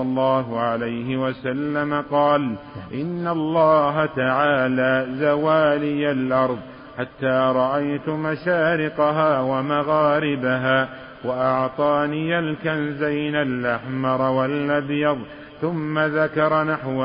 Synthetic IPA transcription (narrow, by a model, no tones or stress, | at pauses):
ɑlˤːɑːɦʊʕalajɦɪwasalːamaqɑːlʔɪnːalˤːɑːɦat̪aʕaːlaːzawaːlɪjalʔɑɾˤðˤ | ħat̪ːaːɾˤɑʔajt̪maʃaːɾɪqɑɦaːwamaɣaːɾɪbaɦaː | waʔɑʕt̪ˤɑːnijalkanzajnalʔaħmɑɾˤwalʔabjɑðˤ | θʊmːaðakɑɾˤɑnaħw